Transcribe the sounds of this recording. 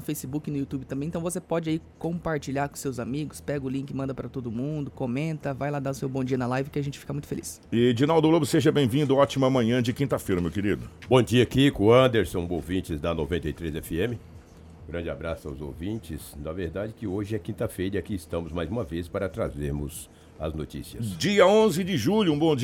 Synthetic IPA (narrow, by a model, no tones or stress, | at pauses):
nʊfejsɪbukɪnʊjut̪ubɪt̪ɐ̃mbẽt̪ɐ̃w̃vosepɔd͡ʒɪaikõpaɾt͡ʃiʎaɾkõsewzamiɡʊspɛɡʊlĩŋkɪmɐ̃nd̪ɐpaɾɐt̪od̪ʊmũnd̪ʊkomẽnt̪ɐvajlad̪aʊsewbõd͡ʒiɐnɐlajvɪkɪaʒẽnt͡ʃɪ̥fikamũj̃t̪ʊfelʔḭs | ɪd͡ʒinawd̪ʊɡlobʊseʒɐbẽj̃vĩnd̪ʊɔt͡ʃimɐmɐ̃ɲɐ̃d͡ʒɪkĩnt̪ɐfejɾɐmewkeɾid̪ʊbõd͡ʒiɐakikõɐ̃nd̪eɾsõw̃owvĩt͡ʃɪzd̪ɐnovẽnt̪ɐjt̪ɾezɛfɪẽmɪ | ɡɾɐ̃nd͡ʒɪabɾasʊa̰wzo̰wvĩt͡ʃɪsnɐveɾd̪ad͡ʒɪkɪoʒɪɛkĩnt̪ɐfejɾɐakiɪst̪ɐ̃mʊzmajzũmɐvespaɾɐt̪ɾa̰zeɾmʊ̰z | ɐ̰znot͡ʃḭsiɐsd͡ʒiɐõzɪd͡ʒɪʒuʎʊũbõd͡ʒ